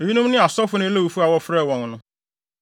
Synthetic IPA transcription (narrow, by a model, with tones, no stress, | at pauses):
e˨wi˦nʊ̃˦m˦nɪ̃˦a˨sɔ˦fʊ˨˦nɪ̃˦le˦wu˨fu˦a˨wɔ˦fɾɛ˦˨wɔ̃˨ŋ˨nʊ̃˨